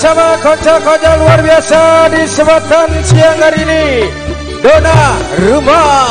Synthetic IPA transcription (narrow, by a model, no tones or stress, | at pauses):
samakɔt͡ʃakɔd͡ʒaluarbiasadisəbat̪ansiaŋaɾiini | donaruma